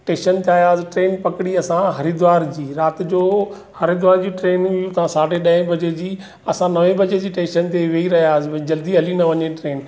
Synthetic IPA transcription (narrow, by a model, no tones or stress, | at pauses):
ʈẽːʃənt̪iaːjaːsɪʈɾeːnpɐkɪɽiɐsãɦɐɾid̪ʋaːɾd͡ʑiːɾaːt̪ɪd͡ʑoː | hɐɾɪd̪ʋaːɾd͡ʑiːʈɾeːnʊjut̪ɐãsaːɖeɗɐ̃ɦɪ̃bʱɐd͡ʑed͡ʑiː | ɐsãnɐʋẽbʱɐd͡ʑed͡ʑiːʈẽːʃənt̪eʋeiɾɐɦijaːsɪbd͡ʑɐld̪iɐlinɐʋɐɲeʈɾeːn